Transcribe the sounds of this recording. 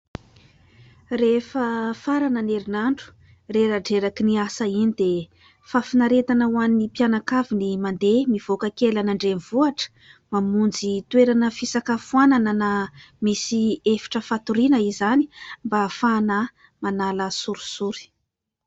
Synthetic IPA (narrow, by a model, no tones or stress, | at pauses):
refəfaɾananeɾinaɳɖ͡ʐu̥ | reɾaɖ͡ʐeɾakiniasainid̪e | fafinaɾet̪anawannipijanakavinimand̪emiv̥okakelanaɳɖ͡ʐenvuaʈ͡ʂə̥ | mamund͡zit̪weɾanəfisakafuananana | misiefi̥ʈ͡ʂəfat̪uɾinəizani̥mbafanə | manaləsuɾu̥suɾi̥